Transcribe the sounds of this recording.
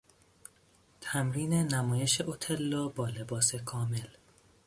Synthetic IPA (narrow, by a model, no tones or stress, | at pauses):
t̪ʰæmɾiːne̞næmɒːje̞ʃeʔot̪ʰelːɒːbɒːle̞bɒːse̞kʰɒːme̞l